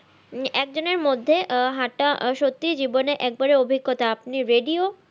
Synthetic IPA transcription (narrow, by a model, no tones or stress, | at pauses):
ɛk̚d͡ʑoneɾmod̪ʱːeɦaʈaʃot̪ːid͡ʑiboneʔɛk̚baɾeobʱiɡːot̪aapniɾeɖio